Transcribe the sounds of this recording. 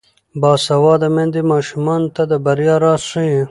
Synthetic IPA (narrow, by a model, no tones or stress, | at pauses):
bɑːsɐwɑːd̪amẽnd̪emɑːʃumɑːnt̪ad̪əbɐɾjɑɾɑːsʂie